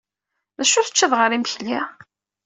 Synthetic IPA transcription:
mæʃʊθə̥t͡ʃːæðʁəɾimçlːæ

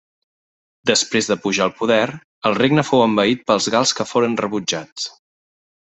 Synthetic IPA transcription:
d̪əspɾezðəpuʒaəlˠpuðɛɾ | əlˠreɡnəfowəmbəit̪̚pəlˠzɣalˠskəfoɾənrəβud͡ʒat͡s

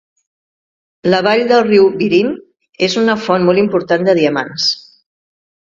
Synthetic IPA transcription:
ləβ̞aʎd̪əlˠriwβiɾin | ezunəfɔnmɔlimpuɾt̪and̪əð̞iəma̰ns

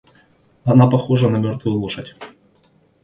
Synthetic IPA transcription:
ɐnapɐxoʐənɐmʲort̪vʊjʊlˠuʂɐtʲ

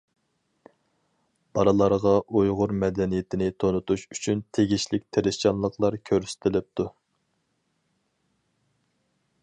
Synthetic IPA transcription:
b̥ɑɾɨlˠɑɾʁɑʔujʁʊɾmɛd̪ɛnijet̪ʰɪnɪt̪ʰonut̪ʰuʃyt͡ʃʰynt̪ʰeɡʲiʃlɪkʲt̪ʰeɾɪʃt͡ʃɑnlˠəqlˠɑɾkʲʰøɾsy̥t̪ʰɪlɪp̚t̪ʰu

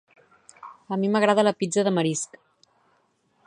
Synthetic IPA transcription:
əmiməɣɾaðələpid͡zəðəməɾisk

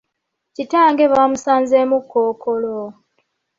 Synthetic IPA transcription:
citaːŋɡe̞βamusaːnzemukːoːkʰolo

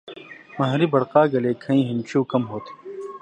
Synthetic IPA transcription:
mɐɦɾibɐɽqaːɡɐleːkʰɐ̃ĩːɦimt͡ɕʰuːkɐmɦoːt̪ʰ

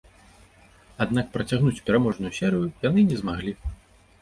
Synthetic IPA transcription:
ad̪n̪akpɾɐt͡sʲaɣnut͡sʲpʲɛɾamɔʐnujusʲɛɾɨjujan̪ɨnʲɛzmaɣlʲi

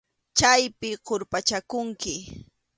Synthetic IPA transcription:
t͡ʃajpɪɢoɾpat͡ʃakʊŋkɪ

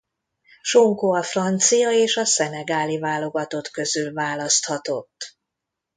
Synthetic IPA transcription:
ʃoŋkoɒfrɒnt̪sijɒeːʃɒsɛnɛɡaːlivaːlo̞ɡɒt̪o̞t̪kø̞zylvaːlɒst̪hɒt̪o̞t̪ː

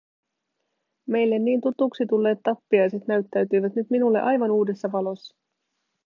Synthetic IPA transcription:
me̞jlːe̞nːiːnt̪ut̪uksit̪ulːeːt̪ːɑpːiɑjse̞t̪næɥt̪ːæɥt̪yjʋæt̪nyt̪minulːe̞̰ʔɑjʋɑnuːde̞sːɑʋɑlo̞sːɑ̥

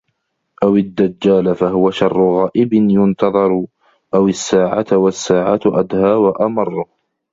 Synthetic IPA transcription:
ʔawɪd̪ːad͡ʒːaːlfaɦʊwaʃɑrˤːʊɣaːʔɪbɪnjʊnt̪ɑðˤɑɾ | ʔawɪsːaːʕat̪wasːaːʕat̪ʔad̪haːwaʔamɑrˤːʊh

